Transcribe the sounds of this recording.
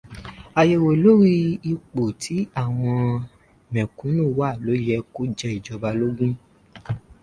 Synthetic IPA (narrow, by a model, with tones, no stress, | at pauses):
a˨je˧˨wo˨lo˨˦ɾi˦i˧k͡po˨tʰi˨˦a˦˨w̃ɔ̃˧˨ | mɛ̃˨kũ˨˦nũ˦˨wa˦˨lo˨˦jɛ˧ko˦d͡ʒɛ˧˦i˨d͡ʒɔ˧ba˧lo˦ɡũ˦